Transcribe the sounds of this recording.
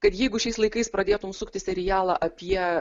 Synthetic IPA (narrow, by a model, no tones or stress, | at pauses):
kɐt̪jɛɪɡʊʃʲɛɪslˠɐɪkɐɪspɾɐd̪ʲeːt̪ʊmsʊkt̪ʲɪsʲɛɾʲɪjæːlˠɑːʔɐpʲiɛ